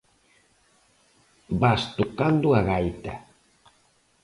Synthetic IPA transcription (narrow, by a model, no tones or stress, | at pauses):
bast̪okand̪ʊaɣajt̪a